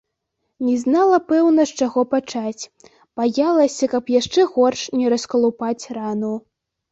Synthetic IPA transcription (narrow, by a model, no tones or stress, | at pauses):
nʲɛznalˠɐpɛwnɐʂt͡ʂaɣɔpat͡ʂat͡sʲ | b̥ajalˠɐsʲɐkɐpjaʂt͡ʂɛɣɔrʂnʲɛɾɐskɐlˠupat͡sʲranu